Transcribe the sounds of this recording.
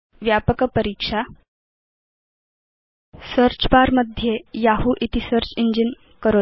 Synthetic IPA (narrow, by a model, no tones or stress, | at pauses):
ʋjapəkəpəɾiːkʂa | səɾt͡ɕbaɾməd̪ʱjejaɦuːʔit̪isəɾt͡ɕiɲd͡ʑin | kəɾo